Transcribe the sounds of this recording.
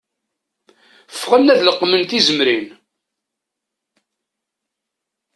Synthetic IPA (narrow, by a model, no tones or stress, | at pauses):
fʁənːæðləqːmənt̪izəmɾin